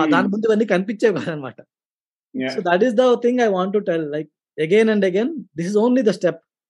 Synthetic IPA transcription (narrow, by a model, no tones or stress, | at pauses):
ad̪aːnɐmund̪ubɐnːikɐnp̬it͡ʃːeːkaːd̪anɐma̰ːʈɐ | soːd̪ɐʈ̬izd̪ɐt̪ʰĩŋɡajʋãːɳʈ̬ːuʈɛlːaɪk̚ | ɐɡenɐ̃ɳɖɐɡẽnd̪isizõːnlid̪ɐsʈɛp̚